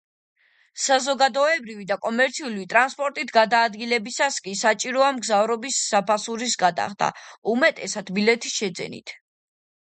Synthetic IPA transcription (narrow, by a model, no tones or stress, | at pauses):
sazɔɡad̪ɔɛbɾivid̪akʼɔmɛɾt̪sʰiuliit̪ʼɾanspʼɔɾt̪ʼit̪ʰɡad̪aːd̪ɡilɛbisaskʼisat͡ʃʼiɾɔamɡzavɾɔbisːapʰasuɾisɡad̪a̰χd̪a̰umɛt̪ʼɛsad̪bilɛt̪ʰisʃɛd̪zɛ̰nḭt̪ʰ